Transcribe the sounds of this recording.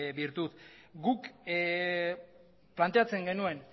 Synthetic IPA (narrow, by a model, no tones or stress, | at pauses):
biɾt̪ut̪ɡuk | plant̪e̞at͡se̞ŋɡe̞nue̞n